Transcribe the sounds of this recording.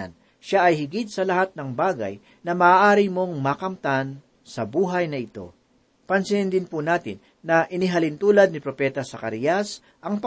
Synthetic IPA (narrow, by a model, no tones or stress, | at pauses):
n | ʃaʔɐjhɪɡɪt̪̚sɐlɐhat̪̚nɐŋbaːɡɐ̰j | nɐmɐaːʔaːɾimo̞ŋmɐkɐmt̪an | sɐbuːɦɐjnɐɪt̪o̞̰ | pɐnsɪnd̪ɪnpunaːt̪ɪ̰nːɐʔɪnɪɦɐlɪnt̪uːlɐd̪̚nɪpɾopɛt̪ɐsɐkɐɾɪjɐs | ʔɐŋp